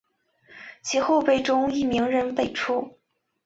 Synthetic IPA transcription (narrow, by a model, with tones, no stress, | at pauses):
t͡ɕʰi˧˥xo˥˧ʊpe˥˩ɪʈ͡ʂʊ˥ŋi˥˩mi˧˥ŋɻə˧˥npe˥˩ɪʈ͡ʂʰu˥˩